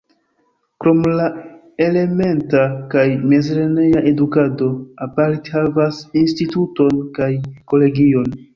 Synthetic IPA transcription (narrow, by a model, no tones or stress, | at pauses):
kɾo̞mla | e̞le̞me̞ntakajmezɾenejaʔe̞dukado̞apaɾtehavasinstituto̞nkajko̞le̞ɡio̞n